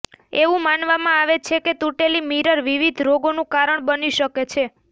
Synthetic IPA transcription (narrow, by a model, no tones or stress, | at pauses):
eʋũmanʋamãaʋet͡ʃʰeket̪uʈelimiɾəɾʋiʋid̪ʱɾoɡonũkaɾəɳbəniʃəket͡ʃʰe